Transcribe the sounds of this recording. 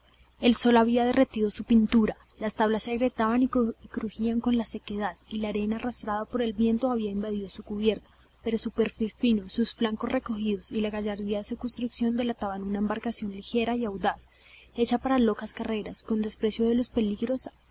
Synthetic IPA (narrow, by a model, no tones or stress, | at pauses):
e̞lso̞laβiaðe̞re̞t̪iðo̞supint̪uɾalast̪aβlasːeɣɾe̞t̪aβaniikɾuxiaŋko̞nlase̞ke̞ðaðilaːɾe̞naːrast̪ɾaðapo̞ɾe̞lbje̞nt̪o̞aβiaimbað̞iðo̞sukuβje̞ɾt̪ḁ | pe̞ɾo̞supe̞ɾfilfino̞susflaŋko̞sreko̞xiðo̞silaɣaʝaɾðiaðesekunst̪ɾuksjo̞nd̪e̞lat̪aβanunaembaɾkasjo̞nlixe̞ɾaiawd̪as | e̞t͡ʃapaɾalo̞kaskare̞ɾasko̞nd̪e̞spɾe̞sjo̞ðe̞lo̞spe̞liɣɾo̞s